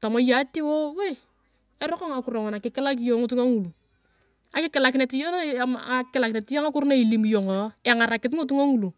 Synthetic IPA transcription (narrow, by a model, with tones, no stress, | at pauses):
ta˨mo˨˦ja˨˦ti˦wo˦we˦˨ | e˦ɾɔ˦kɔ˦ŋa˨kʊ˨ɾɔ˨ŋɔ˨na˨kɪ˨kɪ˦la˦k̬i˦jo˨˦ŋʊ˦tu˦ŋa˦ŋu˨lu˨ | a˨kɪ˦kɪ˨la˨k̬ɪ˨ne˨ti˦jɔ˦n˦˨a˨kɪ˦la˨kɪne˨tɪ˦jɔ˦ŋa˦kʊ˦ɾna˦i˨li˨mjɔ˨ŋɔ˨˦e˨ŋa˨ɾa˨kɪ˦t̬ŋʊ˦t̬u˦ŋa˦ŋu˦lu˨